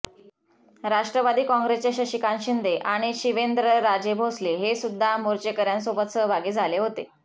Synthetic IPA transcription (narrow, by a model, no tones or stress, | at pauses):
ɾaʂʈɾəʋad̪iːkɔ̃ŋɡɾest͡ɕaɕəɕikanɕind̪eʔaɽ̃iɕiʋend̪ɾəɾad͡ʑebʱosleɦesud̪ʱːamoɾt͡ɕekəɾjans̬obət̪səɦbʱaɡiːd͡zʱaleɦot̪e